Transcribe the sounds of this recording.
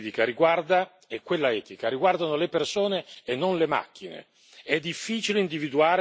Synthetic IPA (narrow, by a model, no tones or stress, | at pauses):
t̪ikaɾiɡward̪a | ekːwelːaɛːt̪ikaɾiɡward̪anolepersoːneːnːonlema̰k̟ːinḛ | ɛd̪ːifːiːt͡ʃileind̪ivid̪uaːɾ